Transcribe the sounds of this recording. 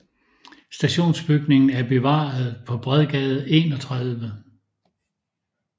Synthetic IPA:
sd̥æɕo̝̰ːnsb̥yɡ̥ne̝ŋn̩æɐb̥e̝ʋɑ̰̈ːð̞ˠpʰɒ̽b̥ʁɛðˠɡ̥ɛð̞ˠe̝ːnɒ̽t͡sʰʁaðˠʋə

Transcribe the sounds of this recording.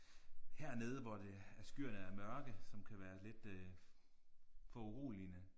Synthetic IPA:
hæɐne̝ð̞ˠəʋɒd̥eæɐsɡ̥yɐ̰nəæmɶɐɡ̥əsɒ̽mkʰæʋæːɐle̝d̥ | fɒ̽uʁṵːlinə

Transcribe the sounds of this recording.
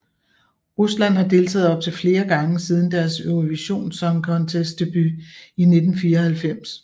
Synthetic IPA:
ʁuslæn̰hɑ̈d̥e̝lt͡sʰɛ̰ːð̩ˠɒ̽b̥̚t͡sʰe̝lfle̝ːɐɡ̥ɑ̈ŋəsið̞ˠn̩d̥æɐsøʊʁo̝ʋiɕo̝̰ːnsɒ̽ŋkʰɒ̽nt͡sʰesd̥e̝b̥yine̝d̥n̩fiːɐhælfem̰s

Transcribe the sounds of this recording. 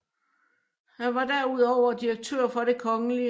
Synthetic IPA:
hæʋɑ̈d̥æɐuð̞̰ˠɒʊ̰ɐd̥iɐɡ̥̚t͡sʰø̰ɐ̰fɒ̽ɾ̥e̝kʰɒ̽ŋəli

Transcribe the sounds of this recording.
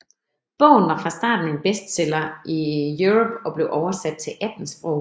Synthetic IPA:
b̥ɔ̽ʊ̰n̩ʋɑ̈fʁɑ̈sd̥ɑ̰̈ːd̥n̩e̝nb̥esd̥selɐʔijuʁɔb̥ɒ̽b̥le̝ʊʔɒʊɐsæd̥̚t͡sʰe̝lʔæd̥n̩sb̥ʁɔʊ̰

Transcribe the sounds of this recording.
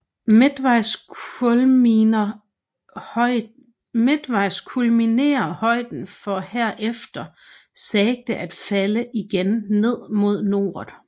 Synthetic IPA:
med̥ʋɑɪs | ɐ | med̥ʋɑ̈ɪskʰulmine̝̰ːɐhɒ̽ɪ̰d̥n̩fɒ̽heɐ̰ʔefd̥ɐ | sɛɡ̥̚d̥əʔæd̥fæləʔiɡ̥enːe̝ð̞̰ˠmo̝ð̞̰ˠno̝ːð̩ˠ

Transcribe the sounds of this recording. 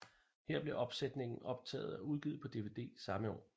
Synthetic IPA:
heɐ̰b̥le̝ʔɒ̽b̥sed̥ne̝ŋn̩ɒ̽b̥̚t͡sʰɛ̰ːð̞̩ˠæuð̞ˠɡ̥ið̞̩ˠpʰɒ̽d̥e̝ʋe̝d̥e̝̰ːsɑ̈məɒ̰ː

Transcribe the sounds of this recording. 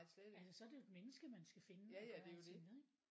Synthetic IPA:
sleælsəsɒ̽ɐd̥eo̝e̝d̥̚menəsɡ̥əmænsɡ̥æfe̝nəæejoenˠeɡ̥

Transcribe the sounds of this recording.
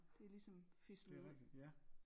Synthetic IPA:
d̥e̝lisɒ̽mfislɛɡ̥i̥jæ

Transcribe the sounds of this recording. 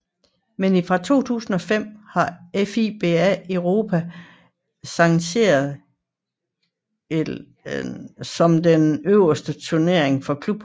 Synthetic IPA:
menifʁɑ̈t͡sʰo̝̰ːt͡sʰṵːsn̩ɒ̽fem̰hɑ̈efib̥e̝æəʊʁo̝ːpʰæ | sɑ̈ŋɕe̝̰ːɐðˠ | sɒ̽md̥enøʊ̰ɐsd̥ət͡sʰuɐne̝ɐ̰eŋfɒ̽kʰlub̥

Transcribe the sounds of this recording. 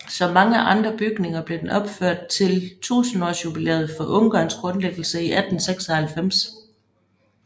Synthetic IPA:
sɒ̽mːɑ̈ŋəʔɑ̈nd̥ʁɐb̥yɡ̥ne̝ŋɐb̥le̝d̥enɒ̽b̥føɐ̰d̥̚t͡sʰe̝lt͡sʰṵːsn̩ɒ̰ːsjub̥ilḛːɐð̞̩ˠfɒ̽ʔɔ̽ŋɡ̥ɑ̈ːnsɡ̥ʁɔ̽nleɡ̥l̩səiʔæd̥n̩seɡ̥sɐhælfem̰s

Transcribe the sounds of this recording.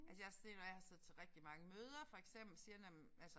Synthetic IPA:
ælsəjɑ̈hɑse̝̰ːd̥ɒjɑ̈hɑ̈sɛð̰ˠt͡sʰeʁɛɡ̥̚d̥imɑ̈ŋəmøːð̞ˠɐfɒ̽eɡ̥sem̰b̥l̩siɐd̥em | ælsə

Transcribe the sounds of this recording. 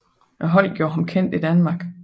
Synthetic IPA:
ʔɒɦɒ̽l̰ɡ̥jo̝ːɐɦɑmkʰen̰d̥id̥ænmɑ̈ːɡ̥

